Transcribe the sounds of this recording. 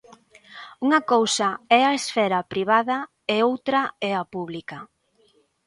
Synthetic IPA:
uŋɐkowsɐɛɐesfɛɾɐpɾiβ̞aðɐ | eowt̪ɾɐɛɐpuβlikɐ

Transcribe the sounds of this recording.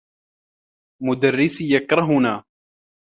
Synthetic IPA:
mʊd̪arːɪsjakɾˤɑɦʊnaː

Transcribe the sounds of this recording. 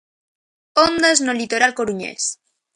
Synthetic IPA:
ond̪aznolit̪oɾalkoɾuɲḛs

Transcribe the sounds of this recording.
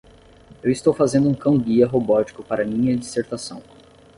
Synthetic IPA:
ewist̪owfazẽnd̪ʊũkɐ̃w̃ɡiɐɦobɔt͡ʃi̥kʊpaɾɐmĩɲɐd͡ʒiseɾt̪asɐ̃w̃

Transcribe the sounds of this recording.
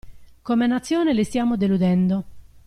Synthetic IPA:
komenːat̪sːjoːnɪlɪst̪jaːmod̪elud̪ɛnd̪o

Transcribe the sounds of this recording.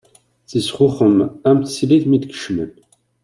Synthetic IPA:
θisʁʊχəmæmt̪siliθmit̪kə̥ʃmə̰n

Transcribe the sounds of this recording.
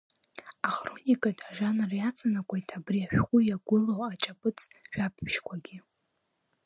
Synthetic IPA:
aχronʲikʼadaʒanrjat͡sʼʰanakʷʰaitʰabriaʃᶣqʷʼʊjaɡʷʊlowat͡ʃʼapʼɨt͡sʰʼʃᶣap̚ʰpʃkʷʰaɡʲi

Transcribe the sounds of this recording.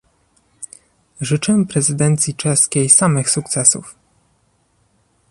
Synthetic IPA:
ʐɘt͡ʂɛpɾɛzɘd̪ɛnt̪sʲjit͡ʂɛskʲejsamɘxsuk̚t̪sɛsṵf

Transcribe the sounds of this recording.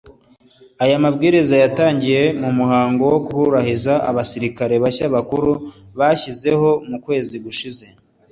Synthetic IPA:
ajamabɡiːɾizajataːɲɟije̞mumuɦaːŋɡo̞wo̞kuhuɾahizaa̰βasiɾikaɾe̞βaçaβakuɾuβaːçize̞ho̞mukwe̞ːziɡuʃize̞

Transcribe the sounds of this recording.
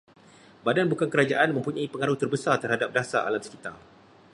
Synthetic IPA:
badanbukankəɾad͡ʒaʔanmə̃mpuɲaipəŋaɾuht̪ərbəsart̪ərhadap̚dasa̰ʔa̰lamsə̥kit̪a̰l

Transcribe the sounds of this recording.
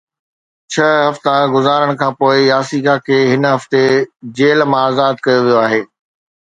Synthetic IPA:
t͡ɕʰɐɦɐft̪aɡʊzaːɾəɽ̃kʰãːpoːɪjaːsikakʰeːɦɪnɦɐft̪ed͡ʑeːlmãaːzaːd̪̚kɐjoʋijoaːɦeː

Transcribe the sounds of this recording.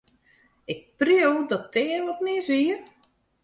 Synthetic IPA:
ɪk̚prjowdɔtʰːɪənʋɔt̚nɪəsʋiər

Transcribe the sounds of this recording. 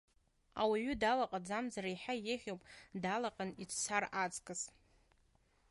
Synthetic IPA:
a̰waɥʏdalaqʼad͡zamzaraiħajeχʲowpʼdalaqʼanit͡sʰt͡sʰarat͡sʼkʼɨs

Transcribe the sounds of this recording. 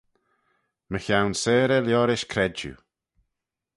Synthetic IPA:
məçawnseːɾəljɔːɾɪʃkʰɾɛd͡ʒṵ

